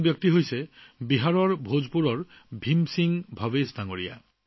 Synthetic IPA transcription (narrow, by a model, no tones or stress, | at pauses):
bjɔk̚t̪iɦojsebiɦaɹɔɹbʱod͡ʒpuɾɔɹbʱimsiŋbʱabesd̪aŋoɾija̰